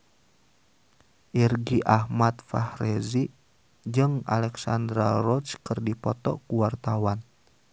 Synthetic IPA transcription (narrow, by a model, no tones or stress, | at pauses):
ʔirɡiʔahmat̪̚fahrezi | d͡ʒɨŋa̰lɛksand̪ɾarɔt͡ʃkɨrdipɔt̪ɔ̰kuwart̪awan